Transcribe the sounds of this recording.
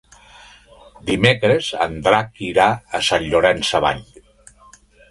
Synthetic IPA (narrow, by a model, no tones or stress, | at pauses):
d̪imekɾezə̰nd̪ɾakiɾaəsanʎoɾɛnsəβa̰ʎ